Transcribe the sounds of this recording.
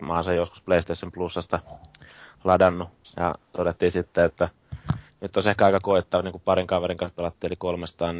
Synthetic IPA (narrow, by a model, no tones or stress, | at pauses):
mɑ̰ːnsɑjjosku̥spleˑist̪eˑisːemplusːɑst̪ɑ | lɑdɑnːujɑ̰t̪odet̪ːiːsit̪ːeet̪ːæ | nyt̪ːosehkæɑˑikɑkoˑit̪ːɑːʋniːŋkupɑriŋkɑʋeriŋkɑ̃nspelɑt̪ːiːelikolmest̪ɑːn